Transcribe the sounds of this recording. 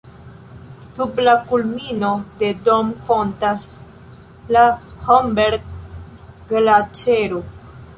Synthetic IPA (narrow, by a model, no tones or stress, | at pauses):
dublakulminode̞do̞mkontas | lahombeɾɡ | ɡlat͡ʃeɾu